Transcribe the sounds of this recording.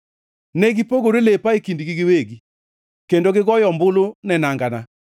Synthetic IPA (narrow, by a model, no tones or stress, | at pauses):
nɛɡipoɡoɾelepaekindiɡɪɡɪweɡi | kendoɡɪɡɔjɔmbʊlonɛnaŋɡana